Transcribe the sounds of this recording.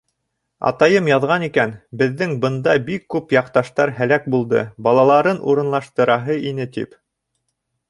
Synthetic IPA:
ɑ̰t̪ɑjɤmjɑðʁɑnikænbɘ̆ðːɘŋbɤ̆nd̪ɑbikːʉpjɑqt̪ɑʃt̪ɑɾɦælæk̚bulˠd̪ɤ̰bɑlˠɑlˠɑɾɤnṵɾɤ̆nlˠɑʃt̪ɤ̆ɾɑɦɤinɘt̪ḭp

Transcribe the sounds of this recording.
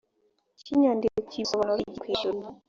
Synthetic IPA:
ciɲaːndikocisoβanoɾiɟikwiːʒuɾi

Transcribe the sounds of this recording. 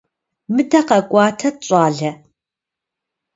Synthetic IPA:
mɨdʰɐqɐkʷʼɑːtʰɐɕʼɑːɮɐ

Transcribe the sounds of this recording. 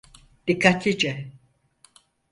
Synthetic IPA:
d̪̥ikʰːat̪ʰid͡ʒɛ

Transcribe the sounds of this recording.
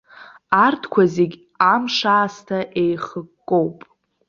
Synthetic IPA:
artʰkʷʰazeɡʲ | amʂaːstʰaʔejχəkːʼo̞wpʼ

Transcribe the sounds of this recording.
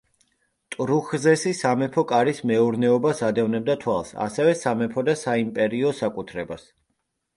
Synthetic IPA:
t̪ʼɾuχzɛsisamɛpʰɔkʼaɾismɛuɾnɛɔbasad̪ɛvnɛb̚d̪at̪ʰwalˠsa̰sɛvɛsamɛpʰɔd̪asaimpʼɛɾiɔsakʼut̪ʰɾɛbas

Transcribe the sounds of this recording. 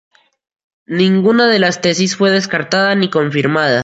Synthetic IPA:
nĩŋɡunaðe̞last̪e̞sisfwe̞ðe̞skaɾt̪aðaniko̞ɱfiɾmaða

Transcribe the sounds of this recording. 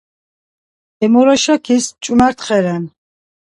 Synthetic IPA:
ɛmuɾɔʃakʰist͡ʃʼumaɾt̪χɛɾɛn

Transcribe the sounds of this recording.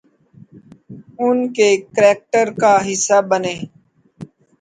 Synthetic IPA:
ʊnkeːkɾɛːk̚ʈəɾkaːɦɪsaːbəneː

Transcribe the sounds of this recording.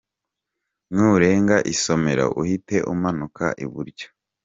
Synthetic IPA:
mŋuɾe̞ːŋɡaʔiso̞me̞ɾa̰ʔuhite̞ʔumanuka̰ʔiβuɾɟḁ

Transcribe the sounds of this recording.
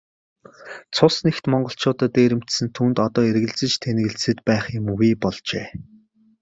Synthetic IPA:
t͡sʰʊsnext̪mɔɴɢɞ̆ɬt͡ɕʰʊːt̪əːt̪eːɾɘ̆m̥t̪sɘ̆nt̪ʰuːnt̪ɔt̪ɔːerɣɘ̆ɮt͡sɘ̆t͡ɕt̪ʰen̆ɣɘ̆ɮsɘ̆t̪pæːχjʊmɣuːpɔɮt͡ɕḛː

